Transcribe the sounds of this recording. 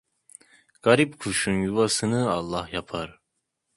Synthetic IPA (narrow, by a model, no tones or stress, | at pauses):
ɡ̥aɾipkʰuʃunjuvasɯnɯɑlˠːɑhjapʰaɾ